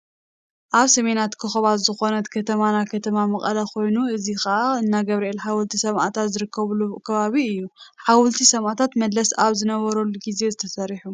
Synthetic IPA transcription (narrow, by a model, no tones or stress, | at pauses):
ʔaβsɐme̞nat̪kʰɨxɐβat̪zɨxo̞nɐt̪kʰɐt̪ʰɐmanakʰɐt̪ʰɐmamɐχʼɐ̰lɐkʰo̞jnuɨzixɐʔaɨnːaɡɐβɾɐelħawɨlt̪ʰisɐmʔa̰t̪ʰat̪zɨɾɨkʰːɐβlukʰɐβaβiɨjːuħawlt̪ʰisɐmʔat̪ʰat̪mɐd̪lɐsaβzɨnɐβɐɾoluɡize̞zɨt̪ʰɐsɐɾiħu